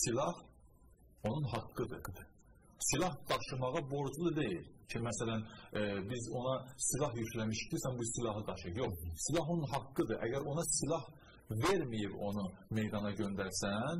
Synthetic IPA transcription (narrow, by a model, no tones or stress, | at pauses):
silˠɑh | o̞nunɦɑkːɯd̪ɯ | silˠɑhd̥̪ɑʃɯmɑʁɑbo̞ɾd͡ʒulˠɯd̪e̞jilcʰimæsælænbizo̞nɑsilˠɑɦjycʰlæmiʃd̪isæmbusilˠɑɦɯd̪ɑʃɯjo̞χsilˠɑɦonunɦɑkːɯd̪ɯʔæ̰ɟæɾo̞nɑsilˠɑh | ve̞ɾmijibo̞nume̞jd̪ɑnɑɟø̞nd̪æɾsæn